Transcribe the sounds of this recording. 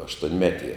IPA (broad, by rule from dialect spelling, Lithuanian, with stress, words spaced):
ɐʃtuɔnʲˈmʲæːtʲiɛ